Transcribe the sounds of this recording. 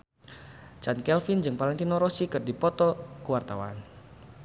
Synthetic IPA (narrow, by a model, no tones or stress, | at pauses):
t͡ʃankɛlfind͡ʒɨŋpalaŋk̪inɔɾɔsikɨrdipɔt̪ɔkuwart̪awa̰n